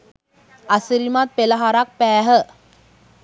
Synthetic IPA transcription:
asiɾimat̪̚peləɦaɾak̚pɛːɦə

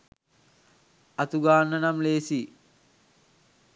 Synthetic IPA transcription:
at̪uɡaːnːənamleːsi

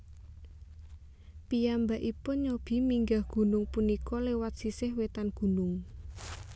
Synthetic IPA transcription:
pijambaʔipʊnɲob̥i̤miŋɡahɡ̥ṳnʊŋpunikɔlewat̪̚sisɪhwet̪anɡ̥ṳnʊŋ

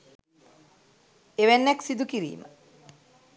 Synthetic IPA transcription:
eʋenːɛksid̪ukiɾḭːmə

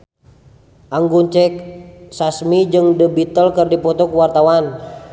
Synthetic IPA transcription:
ʔaŋɡuɲt͡ʃɛk̚sasmid͡ʒɨŋdəbit̪əlkərdipɔt̪ɔkuwart̪awan

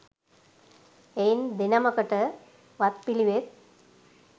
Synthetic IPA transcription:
ejnd̪inɐmɐkɐʈːɐ | ʋɐt̪̚piliʋet̪̚

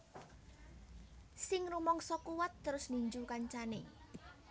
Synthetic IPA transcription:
sɪŋrumɔŋsɔkuwat̪ːəɾʊsniɲd͡ʒukaɲt͡ʃane

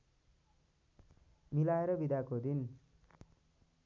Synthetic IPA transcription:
milaeɾʌbid̪akod̪in

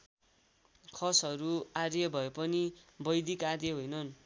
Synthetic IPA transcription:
kʰʌsʌɾuaɾjʌbʱʌepʌnibʌjd̪ikad̪jeɦojnʌn

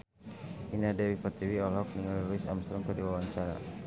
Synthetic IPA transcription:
inadɛwipat̪iwiɔlɔk̚niŋaliɾuisa̰mst̪ɾɔŋkədiwawaɲt͡ʃaɾa̰

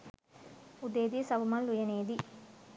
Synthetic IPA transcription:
ud̪eːd̪isɐʋumɐlːujɐneːd̪i

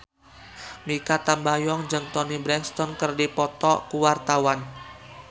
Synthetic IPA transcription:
mikat̪ambajɔŋd͡ʒɨŋt̪ɔnibɾɛŋst̪ɔnkərdipɔt̪ɔkuwart̪awan

